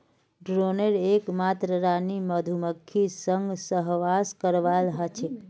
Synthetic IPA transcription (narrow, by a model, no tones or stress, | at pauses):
ɖɾoneɾekmat̪ɾəɾaniməd̪ʱuməkʰːisəŋɡsəɦʋaskəɾʋalɦət͡ʃʰik